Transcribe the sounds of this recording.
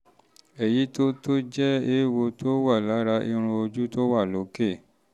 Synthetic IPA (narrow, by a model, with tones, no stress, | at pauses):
ɛ˨ji˨˦to˦to˦d͡ʒɛ˦e˦wo˧tʰo˦wa˦˨la˨˦ɾa˧ʔi˧ɾ̃ũ˧o˧d͡ʒu˦to˦wa˦˨lo˨˦ke˦˨